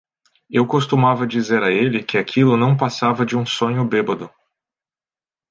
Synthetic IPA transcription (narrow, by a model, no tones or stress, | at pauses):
ewkost̪umavɐd͡ʒizeɾɐelɪkɪakʰilʊnɐ̃w̃pasavɐd͡ʒɪũsõɲʊbebɐd̪ʊ